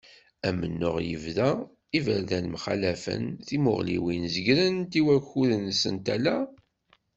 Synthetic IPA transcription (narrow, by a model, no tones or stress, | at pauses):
æmənːʊʁjə̰vðæ | ivəɾðænmχa̰læfə̰nθimʊ̰ʁlḭwinzəɡɾənt̪iwæçuðənsənt̪ælæ